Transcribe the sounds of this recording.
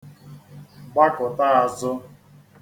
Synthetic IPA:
ɡ͡ba˦kʊ˨ta˦a˨zʊ˦

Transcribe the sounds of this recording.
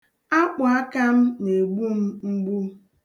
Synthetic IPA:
a˦k͡pʊ˨a˦ka˦m̩˦ne˨ɡ͡bu˦m̩˦ŋ͡m̩˦ɡ͡bu˦

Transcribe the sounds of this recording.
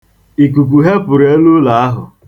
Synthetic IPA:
i˨ku˨k̬ʷu˨ɦe˦pʊ˨ɾe˦lu˦la˨˦a˦ɦʊ̰˨

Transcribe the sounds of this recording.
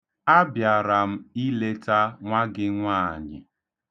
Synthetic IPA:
a˦bja˨ɾa˨m̩˦i˦le˦ta˦ŋʷa˦ɡɪ˦ŋʷaː˦˨ɲɪ̰˨

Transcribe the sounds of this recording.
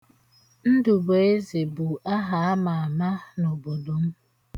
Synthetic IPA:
n̩˦du˨bo˨e˦ze˨bu˨a˦ɦa˨a˦ma˨a˨ma˦no˨bo˨do˨m̩˦

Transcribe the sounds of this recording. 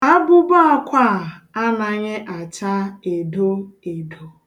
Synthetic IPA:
a˦bʊ˦ba˦a˦kʷa˦˨a˦na˨ɲɪ˦ʔa˨t͡ʃa˦e˨do˦e˨do˨

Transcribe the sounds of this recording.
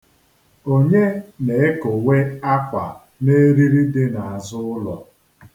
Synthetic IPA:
o˦ɲe˦ne˨˦e˦ko˨we˦a˦kʷa̰˨ | ne˦ɾi˦ɾi˦dɪ˦na˨a˨zʊ˦ʊ˦lɔ˨

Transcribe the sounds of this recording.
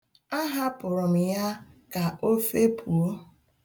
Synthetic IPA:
a˦ɦa˦pʊ˨ɾʊ˨m̩˨ja˦ka˨o˦fe˦pʰu˨o˦

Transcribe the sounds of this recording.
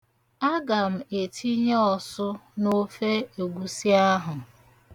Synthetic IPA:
a˦ɡa˨m̩˨e˨tʰi˦ɲ˦ɔ˦˨sʊ˦no˦fe˦o˨ɡʷu˦si˦a˦ɦʊ˨

